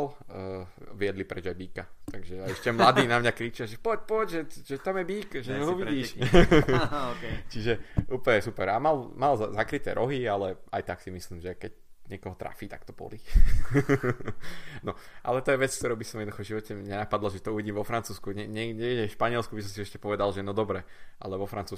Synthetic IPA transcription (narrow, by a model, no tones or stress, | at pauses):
lː | ʋɪɛd̪lipɾɛd͡ʒajbiːkat̪aɡʒɛaɛʃcɛmlad̪iːnamɲakɾiːt͡ʃɪaʒɛpɔc̚pɔcʒɛʒɛt̪amjɛbiːkʒɛɦuʋiɟiːʃ | t͡ʃiʒɛuːpəɲɛsupɛɾamalmalzzakɾit̪ɛ̰ɾʔɔɦialɛa̰jt̪aksimisliːmʒɛkɛc | ɲɪɛkɔɦɔt̪ɾa̰fiːt̪akt̪ɔ̥bɔ̰li | nɔʔa̰lɛt̪ɔjɛʋɛt͡sk̚t̪ɔɾubisɔmjɛd̪uxɔvʒiʋɔcɛɲɛnapad̪laʒɛt̪ɔuʋiɟiːmʋɔfɾant͡suːskuɲɛɲɛɲɛɡɟɛfʃpaɲɪɛlskubisɔmsiɛʃcɛpɔʋɛd̪alʒɛnɔd̪ɔbɾɛ | ʔa̰lɛʋɔfɾant͡suː